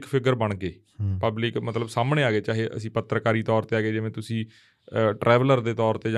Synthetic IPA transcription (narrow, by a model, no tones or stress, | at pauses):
kpʰɪkəɾbəɳkeː | pəblɪkmət̪ləbsaːmɳẽːaːɡeːt͡ʃaːɦeːʔə̰sĩːpət̪ɾəkaːɾiːt̪ɔːɾt̪eːaːɡeːd͡ʒɪʋẽːt̪ʊsĩː | ʈɾʔɛːʋələɾd̪eːt̪ɔːɾt̪eːd͡ʒ